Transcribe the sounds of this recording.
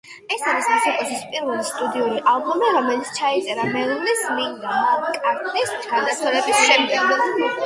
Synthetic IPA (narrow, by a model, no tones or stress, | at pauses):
ɛsaɾisasɔkʼɔsʰispʼiɾvɛlist̪ʼud̪iuɾiʔalˠbɔmiɾɔmɛlit̪sʰt͡ʃʰait̪sʼɛɾamɛlˠinɛsliŋd̪akʼaɾt̪ʰʼist͡ʃʰad̪asʰɔɾɛbisʃɛmd̪ɛɡɔ